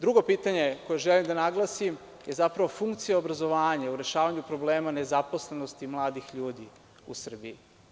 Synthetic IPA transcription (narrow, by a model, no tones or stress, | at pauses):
d̪ɾuɡo̞piːt̪aɲe̞ko̞jeʒelimd̪anaɡlˠasim | je̞zapɾaʋo̞fuŋkt̪sijaobɾazo̞ʋaːɲauɾe̞ʃaːʋaɲupɾo̞bleːmane̞zapo̞sle̞no̞st̪imlˠaːd̪ixʎuːd̪i | usr̩bii